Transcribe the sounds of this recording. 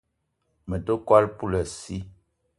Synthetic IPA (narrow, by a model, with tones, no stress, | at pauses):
mə˨do˦kwa˦lpu˦lə˨si˦